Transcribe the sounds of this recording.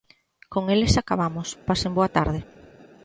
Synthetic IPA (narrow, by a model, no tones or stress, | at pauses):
koŋelɪsakaβamʊspasemboat̪a̰ɾð̞ɪ